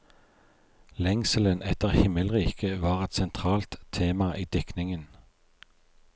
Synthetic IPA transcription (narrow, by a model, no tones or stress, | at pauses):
lɛŋsələnʔɛt̪əʁhɪməlʁiːkʰəʋɑːʁɛt̪sɛnt̪ʰʁɑːlt̪ʰːeːmɑʔiːd̪̥ɪknɪŋən